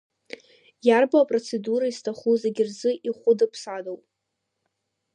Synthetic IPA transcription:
jarbaapʼro̞t͡sʰe̞duɾaistʰaχuzeɡʲɪrzɨʔiχʷʊdɨpʰsadowpʼ

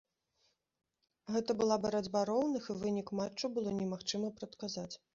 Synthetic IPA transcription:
ɣɛt̪ɐbɨlˠabɐɾad͡zʲbaɾɔwnɨxivɨnʲikmat͡ʂt͡ʂːubɨlˠɔnʲɛmaxt͡ʂɨmɐpɾɐt̪kazat͡sʲ

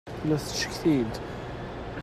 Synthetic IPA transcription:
læθʃə̥kθid̪

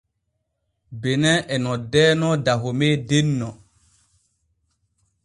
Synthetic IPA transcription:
benɛʔɛnɔdɛːnɔdaɦomeːdenːɔ

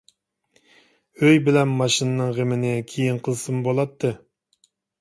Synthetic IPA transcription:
øjbɪlɛnmɑʃinɨnɨŋʁemɪnɪkʲʰijiŋqʰəlˠsɨmbolˠɑt̪ʰːɨ

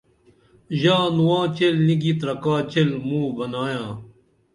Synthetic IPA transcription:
ʑãːnuwãːt͡ɕelniɡit̪ɾɐkaːt͡ɕelmũːbɐnaːjãː

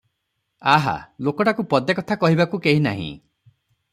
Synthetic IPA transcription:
aɦa̰lokɔʈakupɔd̪jakɔt̪ʰakɔɦibakukeɦina̰ɦḭ̃

